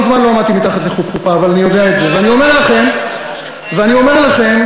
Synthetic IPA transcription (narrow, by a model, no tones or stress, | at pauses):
zmanlo̞amad̚t̪imit̪aχat̪leχupχupaːvalanijo̞d̪eaetze̞veanio̞me̞ʁlaχe̞m | veanio̞me̞ʁlaχe̞m